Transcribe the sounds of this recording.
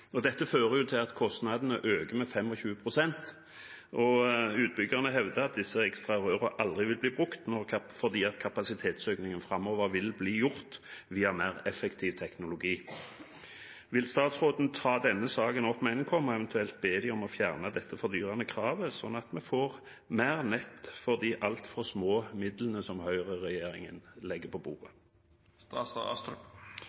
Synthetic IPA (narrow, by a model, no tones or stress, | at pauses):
ɔd̪ɛt̪ːəføːʁəjʊt̪ʰɪlɑt̪kʰɔst̪nɑd̪ənəʔøːɡəmɛfɛmːɔçʉːəpʰʁʊsɛnt̪ | ʔɔʉːt̪̚bʏɡəʁnəɦɛʋd̪əɑt̪̚d̪ɪsːəɛkst̪ʁɑʁœʁəʔɑld̪ʁɪʋɪlbliːbʁʉkt̪nɔʁfɔʁd̪iːɑt̪kʰɑpɑsɪt̪ʰeːt̪søːknɪŋənfɾɑmoːʋəʁʋɪlbliːjʊʁt̪ʋiːɑmæʁɛfːɛkt̪ʰiːʋt̪ʰɛknʊlʊɡiː | ʋɪlst̪ɑːt̪sʁoːd̪n̩t̪ʰɑːd̪ɛnːəsɑːɡənɔpmɛɛnkʰɔmːɔɛʋɛnt̪ʉɛlt̪̚beːd̪ɪɔmɔfjæʁnɑd̪ɛt̪ʰːəfɔʁd̪yːʁɑnəkʰʁɑːʋəsɔnːɑt̪mɛfoːʁ | mæːʁnɛt̪ːfɔʁd̪iːʔɑlt̪fɔʁsmoːmɪd̪lənəsɔmhœʏʁəʁɛjeːʁɪ̰ŋənlɛɡːəpʰɔbṵːʁə